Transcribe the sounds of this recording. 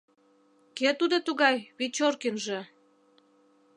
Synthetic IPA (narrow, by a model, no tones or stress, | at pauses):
ket̪ud̪ot̪uɣɑjβit͡ɕorkinʒe